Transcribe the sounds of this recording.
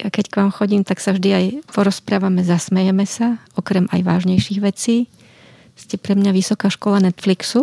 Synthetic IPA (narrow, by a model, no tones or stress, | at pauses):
akɛckʋaːmxɔɟiːmt̪aksavʒd̪iajpɔɾɔspɾaːʋamɛzasmɛjɛmɛsaɔkɾɛma̰jʋaːʒɲɛjʃiːɣʋɛt͡siː | scɛpɾɛmɲaʋisɔkaːʃkɔlanɛt̪fliksu